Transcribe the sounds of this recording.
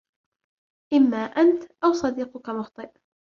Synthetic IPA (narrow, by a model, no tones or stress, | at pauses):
ʔɪmːaːʔant̪ʔawsˤɑd̪iːqʊkamʊxt̪ˤɨʔ